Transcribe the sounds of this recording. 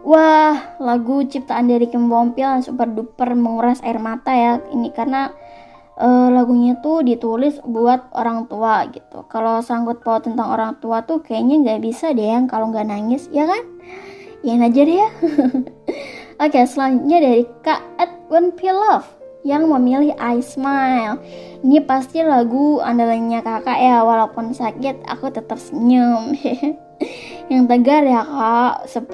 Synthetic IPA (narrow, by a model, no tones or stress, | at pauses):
wahlaɡut͡ʃip̚t̪aːndaɾikimbɔmpilansupərdupərməŋuɾasa̰ɪrmat̪ajainikarna | ʔəlaɡuɲat̪udit̪ulɪsbuat̪̚oɾaŋt̪uaɡit̪ṵkalosaŋɡʊt̪̚paʊt̪ːənt̪aŋo̰ɾaŋt̪uat̪ukajaɲaŋɡaʔbisadeaŋkaloŋɡaʔnaŋɪsjakan | janad͡ʒarja | akjsəlaɲd͡ʒut̪̚ɲadaɾikaət̪̚wənfilɔf | jaŋməmilɪhʔajsmajlinipast̪ilaɡua̰ndalaɲakakaʔjawalapʊnsakɪt̪̚a̰kut̪ət̪əp̚səɲəm | jaŋt̪əɡarjakaʔsə